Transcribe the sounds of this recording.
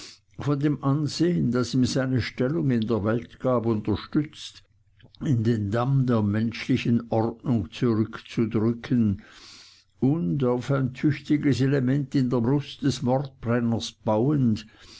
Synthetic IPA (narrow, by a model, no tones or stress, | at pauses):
fɔndeːmʔanzeːəndasiːmzaɪnəʃtɛlʊŋɪndeːɐvɛltɡ̥aːpʊntɐʃtʏt͡st | ɪndeːndamdeːɐmɛnʃlɪçənʔɔʁtnʊŋt͡suʁʏkt͡sudʁʏkʰən | ʔʊndaʊfaɪntʰʏçtɪɡəselemɛntɪndeːɐbʁʊstd̥ɛsmɔʁt̚b̥ʁɛnɐsb̥aʊənd